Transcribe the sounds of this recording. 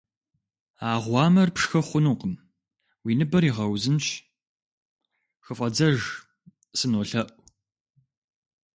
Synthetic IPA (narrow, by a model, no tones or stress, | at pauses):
aːʁʷɑːmɐrpʂxɐχʷʊnuːqəm | wiːnɨbɐriːʁɐwzɨnʃ | xɨfʼɐd͡zɐʒ | sɨnoɬɐʔʷʼ